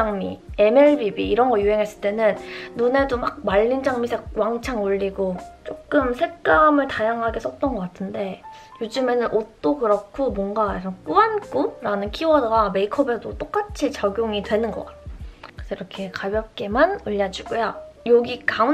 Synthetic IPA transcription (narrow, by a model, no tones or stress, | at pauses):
aŋmḭe̞meɭbibiːɾʌnɡʌjuɦe̞ŋɦes͈ɯ̥ɭt͈e̞nɯnnune̞domak̚maʎːind͡ʑaŋmisʰewaŋt͡ɕʰaŋuʎːiɡot͡ɕ͈ok̚k͈ɯmsʰe̞k͈amɯɭtajaŋɦaɡe̞s͈ʌt̚t͈ʌnɡʌk͈atʰɯnde̞ | jod͡ʑɯme̞nɯnʔot͈okɯɾʌkʰomwʌŋɡasʰʌnk͈uank͈uɾanɯnkʰiwʌdɡame̞ikʰʌbe̞dot͈ok͈at͡ɕʰit͡ɕaɡjoŋidwe̞nɯnɡʌk͈at̚kkɯsʰʌiɾʌkʰe̞kabjʌp̚k͈e̞manɯʎːad͡ʑiɡojajoɡika